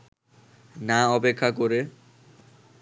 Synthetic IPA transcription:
naɔpekʰːakoɾe

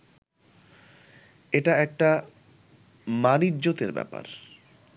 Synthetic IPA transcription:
eʈaɛk̚ʈa | maniːʑot̪eɾbɛ̰pa̰ɾ

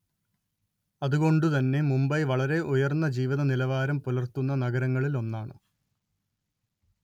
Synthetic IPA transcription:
ɐðuɣo̞ɳɖut̪ɐnːe̞mumbɐjʋɐɭɐɾe̞ʔujɐrnːɐd͡ʑiːʋiðɐnilɐʋaːɾɐmpulɐrt̪unːɐnɐɣɐɾɐŋːɐɭilo̞nːaːɳɨ

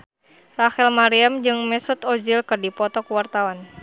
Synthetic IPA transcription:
rahɛlmaɾiamd͡ʒɨŋmɛsut̪ɔd͡ʒilkɨrdipɔt̪ɔkuwart̪awan

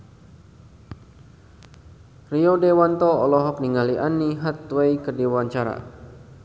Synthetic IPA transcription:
riɔdewant̪ɔɔlɔɦɔk̚niŋaliʔaniɦat̪̚wejkərdiwaɲt͡ʃaɾa̰

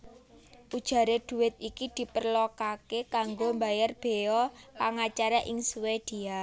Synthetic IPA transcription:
ʔud̥ʒ̥a̤ɾed̪̥ṳwɪt̪̚ikid̪̥i̤pərlokakekaŋɡombajarb̥e̤ɔpaŋat͡ʃaɾaʔɪŋsuwed̪̥ia

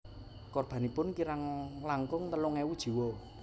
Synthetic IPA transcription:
kɔrb̥a̤nipʊnkiɾaŋlaŋkʊŋt̪əlʊŋɛwud̥ʒ̥i̤wɔ

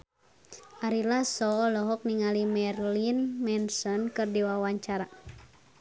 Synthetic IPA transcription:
ʔaɾilasɔlɔɦɔk̚niŋalimɛrlinmɛnsɔnkɨrdiwawaɲt͡ʃaɾa

